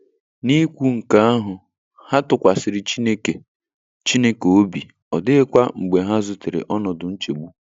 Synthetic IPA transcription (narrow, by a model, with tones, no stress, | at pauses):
ni˦kʷu˦ŋ̩˨ka˦a˦ɦʊ˨ | ha˦tʊ˨kʷa˨sɪ˨ɾɪ˨t͡ʃi˦ne˦ke˨ | t͡ʃi˦ne˦ke˨o˦bi˨ | ɔ˨dɪ˦ɪ˦kʷa˦ŋ͡m̩˨ɡ͡be˨ɦa˦zʊ˨tɪ˨ɾɪ̰˨ʔɔ˦nɔ˨dʊ˨n̩˦t͡ʃe˨ɡ͡bu˦